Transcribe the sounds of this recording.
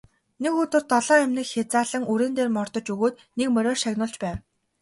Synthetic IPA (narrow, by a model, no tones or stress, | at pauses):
nekɵt̪ɘ̆rt̪ɔɮɔːæmnɘ̆kxʲat͡saːɮə̆ŋuɾeːnt̪eːrmɔrt̪ɞ̆t͡ɕɵɣoːt̪ | nekmœɾʲɔːrʃaɣnʊ̆ːɬt͡ɕpæːw